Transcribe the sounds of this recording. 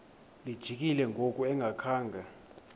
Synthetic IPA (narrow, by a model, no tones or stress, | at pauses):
lid̥ʒ̥ʱik̬ʼilɛŋʱokʼuɛŋʱakʰaːŋɡʱa